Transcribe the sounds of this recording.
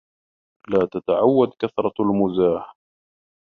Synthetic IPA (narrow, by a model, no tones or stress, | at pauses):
laːt̪at̪aʕawːad̪kaθɾˤɑalmʊzaːh